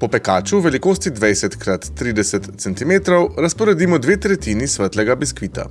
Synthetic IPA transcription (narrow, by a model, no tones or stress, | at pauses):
pɔpɛkaːt͡ʃuʋɛlikoːst̪id̪ʋɛjsɛt̪kɾat̪ːɾiːd̪ɛsɛt̪sɛnt̪imeːt̪ɾɔwɾaspɔɾɛd̪iːmɔd̪ʋeːt̪ɾɛt̪iːnisʋəɾt̪lɛɡabiskʋiːt̪a̰